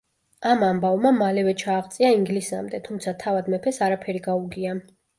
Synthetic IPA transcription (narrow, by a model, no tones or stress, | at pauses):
amambavmamalɛvɛt͡ʃʰaːʁt̪sʼiaiŋɡlisa̰md̪ɛt̪ʰumt̪sʰat̪ʰavad̪mɛpʰɛsaɾapʰɛɾiɡauɡia